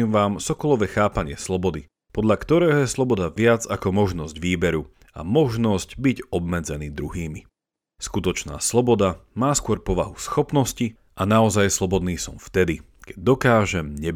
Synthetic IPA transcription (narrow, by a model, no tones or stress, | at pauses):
iːmʋaːmsɔkɔlɔʋɛxaːpaɲɪɛslɔbɔd̪i | pɔd̪ʎakt̪ɔɾɛːɦɔjɛslˠɔbɔd̪aʋɪad͡zakɔmɔʒnɔzɟʋiːbɛɾu | a̰mɔʒnɔsɟbiɟɔbmɛd͡zɛniːd̪ɾuɦiːmi | skut̪ɔt͡ʃna̰ːslɔbɔd̪amaːskʊɔɾpɔʋaɦusxɔpnɔsci | ʔanaɔzajslˠɔbɔd̪niːsɔ̰mft̪ɛd̪i | kɛ̥ɟ̚d̪ɔkaːʒɛmɲɛ